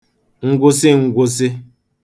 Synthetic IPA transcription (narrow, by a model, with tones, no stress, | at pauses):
ŋ̩˦ɡʷʊ˦sɪ˦ŋ̩˨ɡʷʊ˦sɪ˦